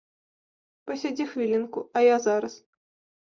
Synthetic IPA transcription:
pɐsʲad͡zʲixvʲilʲinkʊɐjazaɾɐs

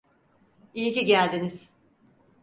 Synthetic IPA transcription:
ijiciɟælʲd̪iniz̥

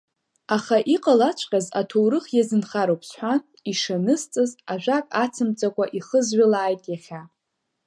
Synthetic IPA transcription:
aχaʔiqʼalat͡ʃʷʰqʲʼazatʰowɾɨχjazɨnχaɾowpʰsħʷan | iʂanɨst͡sʼɨzaʒᶣʷakʼat͡sʰɨmt͡sʼakʷʼaʔiχəzʕʷalaːjtʼjaχʲa

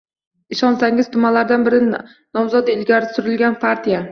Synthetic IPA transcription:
ɪʃɒnsaŋɪz̥t̪ʰʊmalaɾd̪anbɪɾɪ | nɒmzɒd̪ɪlɡʲaɾɪsʊɾɪlɡʲanpʰaɾt̪ʰija

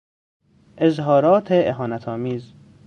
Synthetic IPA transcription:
ʔezɦɒːɾɒːt̪ʰeʔeɦɒːnæt̪ʰɒːmiːz

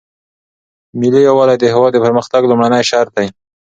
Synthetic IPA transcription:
mɪlijawɑlajd̪əhɪwɑd̪ːəpəɾməxt̪aɡlumɽanəjʃɑɾt̪aj

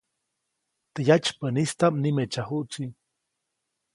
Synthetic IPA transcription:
t̪əjat͡ʃpənist̪amnimet͡ʃahuʔt͡si

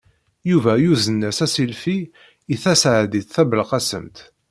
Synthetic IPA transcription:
juvæjuzənːæsæsilfi | iθæsʕd̪it̪θæbəlqɑsə̰mt̪

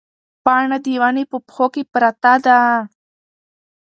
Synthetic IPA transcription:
paɳad̪iwanipupxokipɾat̪ad̪a

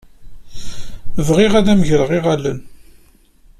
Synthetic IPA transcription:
vʁɪʁæðæməʝɾəʁiʁælən

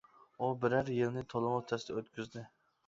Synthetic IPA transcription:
ʊbɪɾaɾjɪlnɪt̪ʰolˠɪmot̪ʰasɪd̪aot̪kʲʰyzd̪ɪ

